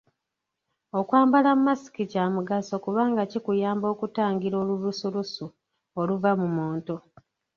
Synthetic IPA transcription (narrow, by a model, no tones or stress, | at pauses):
o̞kwaːmbalammːasi̥kicamuɡaso̞kuβaːŋɡacikujaːmbo̞kutaːŋɡiɾo̞ːlulusulusu | oluvamumuːnto